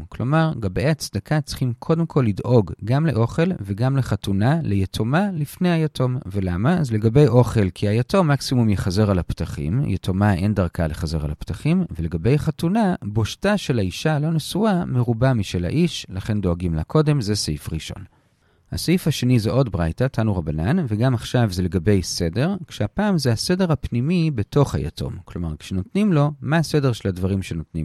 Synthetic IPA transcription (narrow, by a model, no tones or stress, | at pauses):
klo̞maʁɡabejat͡sd̪akʰat͡si̥χimkʰo̞de̞mkʰo̞lːidʔo̞ɡɡamleʔo̞χe̞lveɡamleχatunalejetʰomalifne̞jhajatʰo̞mve̞lamaːzle̞ɡabe̞jʔo̞χe̞lkʰiajato̞mːaksimumjeχaze̞ʁalaptaχḭmjetʰomae̞ndaʁkʰaleχaze̞ʁa̰lapt̪aχimvele̞ɡabe̞jaχatunabo̞ʃtaʃe̞laiʃalo̞nesuame̞ʁubamiʃela̰ʔiʃlaχe̞ndo̞aɡimlakʰo̞de̞mzesefʁiʃo̞̰n | ha̰seifhaʃe̞nizeʔo̞dbʁajtatʰanuʁabananveɡamaχʃavzeleɡabe̞jse̞de̞ʁkʃeapaːmzehase̞de̞ʁhapnimibe̞to̞χha̰ja̰tʰo̞̰mklo̞maʁkʃeno̞tnimlo̞maːsede̞ʁʃe̞ladvaʁimʃe̞no̞tnim